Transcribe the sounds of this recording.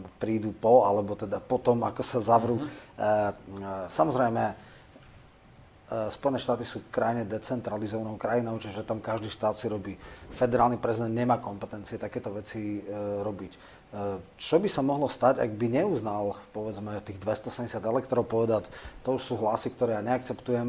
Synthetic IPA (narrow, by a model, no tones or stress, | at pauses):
pɾiːd̪upɔalɛbɔt̪ɛd̪apɔt̪ɔma̰kɔsazaʋɾu | samɔzɾɛjmɛ | spɔjɛnɛːʃt̪aːt̪isuːkɾajɲɛd̪ɛt͡sɛnt̪ɾalizɔʋanɔʊkɾajinɔʊt͡ʃiʒɛt̪amkaʒd̪iʃt̪aːt̪siɾɔbiːfɛd̪ɛɾaːlˠnipɾɛzid̪ɛnd̪ɲɛmaːkɔmpɛt̪ɛnt͡siɛt̪akɛːt̪ɔʋɛt͡siɾɔbic | t͡ʃɔbisamɔɦlɔst̪aɟa̰ɡ̚biɲɛuznalpɔʋɛd͡zmɛt̪iːɣd̪ʋɛst̪ɔsɛɲɟɛsjad̪ɛlɛk̚t̪ɔɾɔʊpɔʋɛd̪att̪ɔuʃsuːɦlasikt̪ɔɾɛːjaɲɛak̚t͡sɛpt̪ujɛm